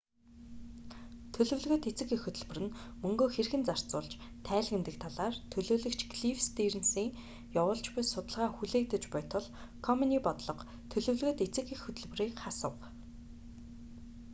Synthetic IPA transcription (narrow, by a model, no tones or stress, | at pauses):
t̪ʰɵɮɵ̆wɮɣɵ̆t̪et͡sɘ̆kixɵt̪ɵ̆ɮpɵ̆rɘ̆nmɵŋɡoːxerxɘ̆nt͡sar̥t͡sʊːɮt͡ɕ | t̪ʰæːɮɣɘ̆nt̪ɘ̆kt̪ʰaɮaːrt̪ʰɵɮoːɮɵ̆kt͡ɕʰɡɮifst̪iːrɘ̆nsiːŋ | jawʊːɮt͡ɕpʊjsʊt̪ə̆ɮʁaːxuɮeːk̚t̪ə̆t͡ɕpʊjʰt̪ʰʊ̆ɮ | kʰɔmɔniːpɔt̪ɮɞ̆q | t̪ʰɵɮɵ̆wɮɣɘ̆t̪et͡sɘ̆kexɵt̪ɵ̆ɮp̆riːkχasə̆w